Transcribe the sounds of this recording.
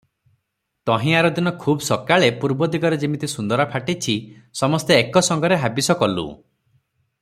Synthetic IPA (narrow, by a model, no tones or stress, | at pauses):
t̪ɔɦĩaɾɔd̪inɔkʰubsɔkaɭepuɾbɔd̪iɡɔɾed͡ʒimit̪isund̪ɔɾapʰaʈit͡ʃʰisɔmɔst̪eːkɔsɔŋɡɔɾeɦabisɔkɔlṵ